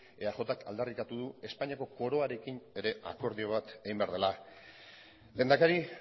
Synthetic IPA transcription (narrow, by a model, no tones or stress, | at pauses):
eaχo̞t̪akald̪arik̪at̪uðue̞spaɲiako̞ko̞ɾo̞aɾe̞kine̞ɾe̞ʔa̰ko̞ɾðio̞β̞at̪eɣimbe̞a̰ɾðe̞la | le̞ːnd̪akaɾi